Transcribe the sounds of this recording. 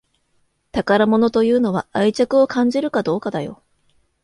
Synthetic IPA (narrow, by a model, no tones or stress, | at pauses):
t̪akaɾamo̞no̞t̪o̞jɯ̟ːno̞βa̰ait͡ɕakɯ̟o̞kʰãɲ̟d͡ʑiɾɯ̟kad̪o̞ːkad̪ajo̞̰